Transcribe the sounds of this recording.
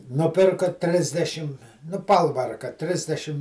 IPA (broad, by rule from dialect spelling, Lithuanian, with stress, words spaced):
nʊˈpʲɪrkoː ˈtʲrʲɪzʲdʲɛʃʲɪm nʊ ˈpɐlˠʋɐrkɐ ˈtʲrʲɪzʲdʲɛʃʲɪm